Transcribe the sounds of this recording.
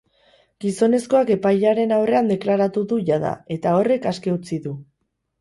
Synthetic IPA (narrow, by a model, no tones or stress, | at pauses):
ɡ̥iso̞ne̞sko̞ake̞pajʎaɾe̞nawre̞and̪e̞klaɾat̪uðuʝaða̰e̞t̪ao̞re̞kaske̞ut͡siðu